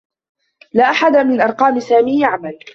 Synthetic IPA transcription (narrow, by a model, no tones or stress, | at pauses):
laːʔaħad̪amɪnʔɑɾˤqɑːmɪsaːmiːaʕamal